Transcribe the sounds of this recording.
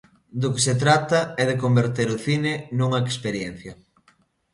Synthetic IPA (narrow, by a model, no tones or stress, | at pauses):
d̪ʊkeset̪̬ɾat̪ɐɛðekombeɾt̪eɾʊθinɪnuŋɐekspeɾjɛn̟θjɐ